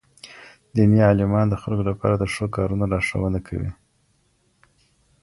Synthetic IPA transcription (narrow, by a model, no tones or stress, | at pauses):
d̪iniɑlɪmɑnd̪əxalkolapɑ̰ɾad̪əʂokɑɾunolɑʂa̰wənakʰa̰wḭ